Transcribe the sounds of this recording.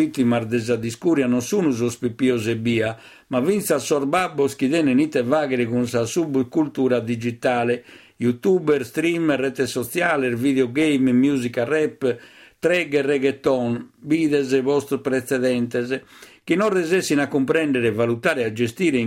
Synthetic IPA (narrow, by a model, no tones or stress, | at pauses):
it̪ːimaɾd̪ɛzad̪iskuːɾjanɔnsuːnuzɔspipːiɔzɛbiːa | mavint̪sasːɔɾbabːɔskiðɛnɛnit̪ːɛvaːɣɛɾɛɣunsasubkult̪uːɾad̪id͡ʒit̪aːlɛ | jut̪uːbɛɾst̪ɾimrɛt̪ɛsːɔt̪sjaːlɛɾviðɛɔɡejmmjuːzikarɛpːt̪ɾɛɡɛrɛɣɛt̪ːɔnbiːðɛzɛβɔst̪pɾɛt̪sɛðɛnt̪ɛzk̟inɔrːɛzesːinakːumpɾɛnɖɛɾɛvalut̪aːɾɛad͡ʒest̪iːɾɛ